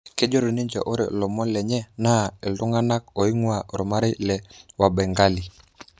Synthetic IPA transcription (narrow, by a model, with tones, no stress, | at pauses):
ke˦d͡ʒɔ˦ɾo˨ni˦ɲd͡ʒa̰˨ʔo˦ɾḛ˨lɔ˨mɔ˦lɛ˨ɲɛ˦na˦˨e˨ldʊ˦ŋa˦na˦k̚o˨i˦ŋwa˨ɾɔ˨ma˦ɾe˦lɛ˨wa˨bɛ˨ŋɡa˦li˨